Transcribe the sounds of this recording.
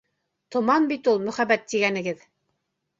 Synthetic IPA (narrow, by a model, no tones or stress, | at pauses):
t̪ŏmɑnbit̪ulˠmɵ̆χæβæt̪ːiɡænɘ̆ɡɘð